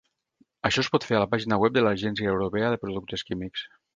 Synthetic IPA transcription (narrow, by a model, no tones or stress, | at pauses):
aʃɔspɔt̪feɾalapaʒinawɛp̚d̪elaʒɛnsiaewɾopeaðepɾuðuk̚t̪eskimiks